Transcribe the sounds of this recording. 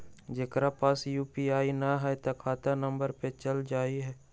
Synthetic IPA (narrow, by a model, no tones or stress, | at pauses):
d͡ʒeːkɾapaːsjuːpiaːinaɦɛt̪ɐkʰaːt̪anə̃mbəɾpet͡ʃəld͡ʒaːiɦɛː